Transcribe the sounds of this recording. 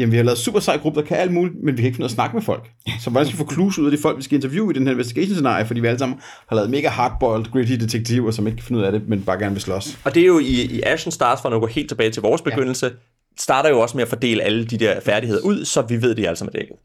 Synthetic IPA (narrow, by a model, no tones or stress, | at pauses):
jæm̩ʋihɑ̈lɛːð̞̩ˠsṵːb̥ɐsɑ̈ɪɡ̥ʁub̥əðɐkʰæʔæl̥muːlimenʋikʰæeɡ̥fnuð̰ˠsnɑ̈ɡ̥əmefɒ̽l̰ɡ̥sɒʋɑænsɡ̥əlifɒkʰluːsuð̰ˠɐd̥ifɒ̽l̰ɡ̥ʋisɡ̥æe̝nt͡sʰɐʋjṵːid̥enhæɐenʋesd̥iɡ̥ɛ̰ɕnse̝nɑ̰̈ːifɒ̽d̥ḭːʋiæləsɑ̈m̰n̩ | hɑ̈lɛːð̞̩ˠme̝ːɡ̥æhɑ̈ːd̥̚b̥ɒld̥ɡ̥ʁedid̥e̝t͡sʰeɡ̥̚t͡sʰiʊ̰ɐsɒme̝ɡ̥̚kʰæfe̝nuðˠæɾe̝menb̥ɑ̈ːɡ̥æɐnəʋe̝slɒ̽sɒ̽d̥e̝jo̝iiʔæɕn̩sd̥ɑ̥̈ːsfɒnɡ̥ɒhe̝̰ːld̥t͡sʰe̝bɛːɪt͡sʰe̝ʋɒːsb̥eɡ̥øn̰l̩sə | sd̥ɑ̈ːɾɐjo̝ɒ̽səmeæfɒd̥e̝̰ːləʔæləd̥id̥eɐfæɐɾihe̝ð̰ˠɐʔuð̞̰ˠsɒ̽ʋiʋe̝ð̞̰ˠd̥eælsɑ̈mæd̥ḛɡ̥ð̩ˠ